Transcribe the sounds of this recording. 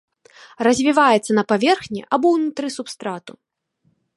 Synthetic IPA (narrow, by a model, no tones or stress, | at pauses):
rɐzʲvʲivajɛt̪sːɐnɐpavʲɛrxnʲḭʔabɔwnut̪ɾɨsupst̪ɾat̪u